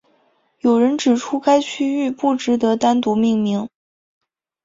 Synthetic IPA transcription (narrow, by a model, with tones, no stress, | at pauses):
jo˨˩ʊɻə˧˥nʈ͡ʂɻ̩˨˩ʈ͡ʂʰu˥ka˥ɪt͡ɕʰy˥y˥˧pu˥˩ʈ͡ʂɻ̩˧˥t̪ɤ˧˥t̪a˥nt̪u˧˥mi˥˧ŋmi˧˥ŋ